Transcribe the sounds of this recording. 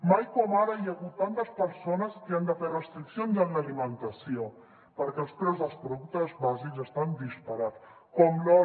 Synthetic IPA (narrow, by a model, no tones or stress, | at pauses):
majkɔmaɾəjəɣut̪ːant̪əspəɾsonəskeand̪əferəst̪ɾiksionzanlalimənt̪əsio | pəɾkɛðəspɾɛzðəlˠspɾoðuk̚t̪əzβazikzəst̪and̪ispaɾat͡s | kɔmlɔ